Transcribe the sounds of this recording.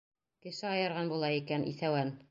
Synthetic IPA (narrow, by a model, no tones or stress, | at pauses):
kɘ̆ʃɘɑjɤ̆ɾʁɑnbulˠɑikænʔḭθæwæn